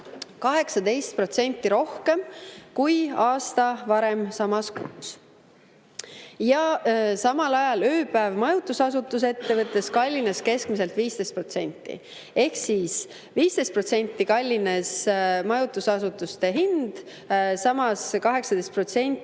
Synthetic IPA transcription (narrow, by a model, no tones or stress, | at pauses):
kɑɦe̞ksɑd̪e̞jst̪̚pro̞t̪se̞nʲt̪ːˑiɾo̞hke̞mkujɑːst̪ɑvɑɾe̞msɑmɑskuːs | jɑsɑmɑlɑjɑløːpæevmɑjut̪usɑsut̪ːˑus̬e̞t̪ːe̞vɤt̪ːˑe̞skɑlʲːinɑske̞skmise̞lt̪viːst̪e̞jst̪pro̞t̪se̞nʲt̪ːˑḭ | e̞hsiːs | viːst̪ejst̪̚pro̞t̪se̞nʲt̪ːikɑlʲːinesmɑjut̪ːˑusɑsut̪ːˑust̪e̞ɦind̪̥ | sɑmɑskɑɦe̞ksɑd̪̥ejst̪̚pro̞t̪se̞nʲt̪